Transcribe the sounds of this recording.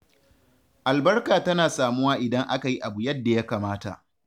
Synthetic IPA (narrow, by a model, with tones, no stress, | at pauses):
ʔa˨lbɐ˦rkaː˨tɐ˦naː˨saː˨mʊ˦waː˦ʔɪ˨dɐ˦ŋʔa˦ka˨ji˦ʔa˨bu˨jɐ˦dːa˨ja˦kaː˨maː˦ta̰˨ʔ